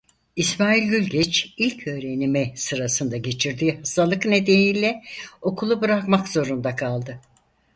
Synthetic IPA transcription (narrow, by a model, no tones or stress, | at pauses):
ismaːilʲɟylʲɟɛt͡ʃilʲcʰø̞ːɾe̞nimisɯɾasɯnd̪aɟe̞t͡ʃʰiɾd̪iːhast̪ʰalˠɯkne̞d̪eniːlʲɛo̞kʰulˠubɯɾakmakz̥o̞ɾund̪akʰalˠd̪ɯ